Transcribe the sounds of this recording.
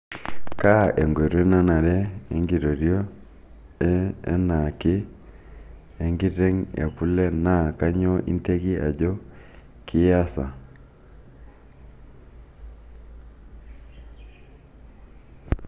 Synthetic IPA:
ka˦e˨ŋɡe˨ɾe˦na˦na˨ɾɛ˦e˨˦ŋɡi˨ɾo˨ɾjo˦ | ḛ˦na˨kɪ˦ | e˨ŋɡi˦te˦ŋḛ˨ku˦le˦na˦˨ka˦ɲɔ˦ʔḭ˦nte˦ki˦ʔa̰˨d͡ʒɔ˦ | kʰɪ˦ja˦sa˨

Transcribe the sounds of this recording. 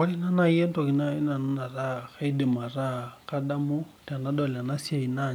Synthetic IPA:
a˦li˦na˦na˨je˦ntɔ˨ki˨na˦i˦na˨na˦na˨ɾa˦ka˦i˦de˨ma˨ɾa˦˨ka˦da˦mu˦ | ta˨na˦dɔ˨la˨na˦si˦a˨i˨na˦˨

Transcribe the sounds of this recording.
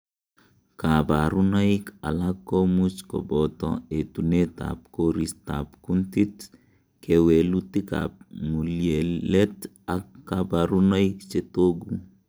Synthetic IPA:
ka˨ba˨ɾuna˦ika˨lakːo˦mut͡ʃko̰˨bɔ˨t̪ɔ̰e˨tu˨ne˦ta̰˨p̚ko˦ɾi˦sta̰˨pku˦nti˦t | ke˨we˨luti˦ka̰p̚mu˨lje˨le˦t | a˨kːaba˨ɾuna˦ikt͡ʃe˦to˦ɡu

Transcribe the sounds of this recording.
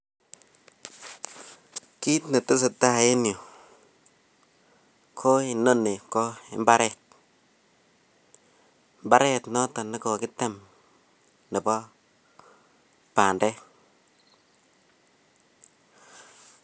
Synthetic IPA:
ki˦tne˨tu˦s̬ɪ˨ta˦˨e˦njo˨ | kʰo˦ɪ˨nːo˦ne˨kɔ˦ɪ̰˦mba˦ɾɛ˦˨t̚ | mba˦ɾɛ˦tnɔ˦tɔ˨nɪ˦ko˨kɪ˦tɛ˨m | nɪ˨pɔ˦ | pa˨ndɛ˦

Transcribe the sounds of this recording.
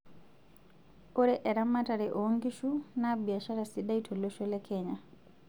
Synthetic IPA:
o˦ɾɛʔɛ˨ɾamataɾɛ˨ʔo˦ŋɡi˦ʃu˦nabi˨a˨ʃa˦ɾasiɗa˦i˦tʰɔ˨lɔʃɔ˦lɛkʰɛɲa

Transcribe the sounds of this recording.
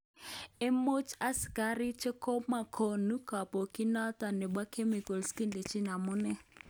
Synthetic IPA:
e˦mo˦t͡ʃʰa˦si̥˨ka˦ri˦t͡ʃʰɛ˦kʰɔ˦ma˨kʰo˨nu˦ka˨pɔ˨kʼi˦na˦tʼa˨nɛ˨ɓwa˦kʰe˦mi˨kɔ˨lski˦nde˨t͡ʃʰi˦na˨mu˦nɛ˦

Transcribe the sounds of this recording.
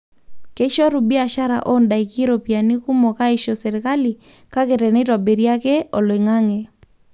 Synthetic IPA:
ke˦ʃɔ˦ɾu˨bi˦a˨ʃa˦ɾa̰˨ʔɔ˦nda˨i˨kɪ˦ɾo˨pi˨a˨ni˦ku˦mo˨ka˦ɪ˦ʃɔ˨sɛ˨ɾɪ˨ka˦li˨ | ka˦ke˨tɛ˨nɪ˦tɔ˨be˨ɾja˦ke˦o˨lɪ˨ŋa˦ŋe˨

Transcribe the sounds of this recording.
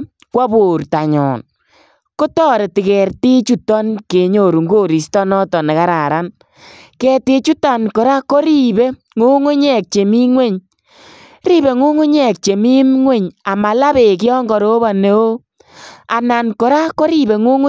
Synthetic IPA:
kwa˦bu˨ɾta˨ɲɔ̰˨n | ko˦tɔː˦ɾe˨tɪ˨kɛ˨ɾti˦t͡ʃu˦tɔ˦nke˨ɲo˨ɾu˨ŋɡo˦ɾi˨stɔ˦nɔ˦tɔ˨ne˨ka˦ɾa˨ɾa˦n | kɛ˨te˧t͡ʃu˦ta˨nkɔ˨ɾa˦ko˦ɾi˦be˦ | ŋu˦ŋu˦ɲɛ˦˨k̚t͡ʃe˨mi˦ŋwe˦ɲ | ɾi˦be˨ŋu˦ŋu˦ɲɛ˨k̚t͡ʃe˨mi˦mŋwe˦ɲa˨ma˨la˦βe˨k̬ɪ˦ɔ˦ŋɡɔ˨ɾo˦ba˨ne˨˦o˦ | a̰˨na˨nkɔ˨ɾa˦ko˦ɾi˦be˨ŋu˦ŋʊ˦

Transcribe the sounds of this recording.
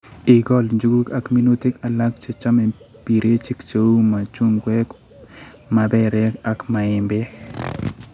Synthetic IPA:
i˨ɡɔ˦lɲd͡ʒu˦ɡu˦ka˦kmi˦nu˦ti˦ka˨la˦k̚t͡ʃe˨t͡ʃa˦mɛ˨ | pi˨ɾe˦t͡ʃi˦kt͡ʃo˦u˦ma˨t͡ʃu˦ŋɡwɛ˦k | ma˨bɛ˦ɾɛ˦ka˦kma˨ɪ˨mbe˦

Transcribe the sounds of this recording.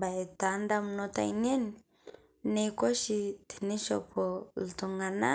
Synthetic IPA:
ba˨e˨ta˨nda˦mu˨nɔ˦ta̰˨i˦ne˦ni˨ | ne˦kɔ˦ʃi˦ti̥˨ni˦ʃɔ̰˨pɔ˨ltu˨ŋɡa˨na˦

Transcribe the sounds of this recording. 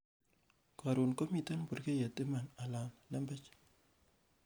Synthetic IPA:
ka˨ɾu˨nko˦mi˨ta˦nbu˨rke˦ja˨tɪ˦ma˨na˨la˨nlɐ˦mbɛ˦t͡ʃ

